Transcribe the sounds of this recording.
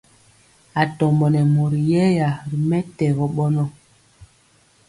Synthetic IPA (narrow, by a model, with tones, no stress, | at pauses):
a˨tɔ˨mbɔ˨nɛ˨mo˨ɾi˨jɛ˦ja˨ɾi˨mɛ˦tɛ˨ɣɔ˨ɓɔ˦nɔ˦